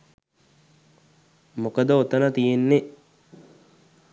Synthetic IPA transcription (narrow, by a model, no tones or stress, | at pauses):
mokəd̪əot̪ɐnɐt̪ijenːe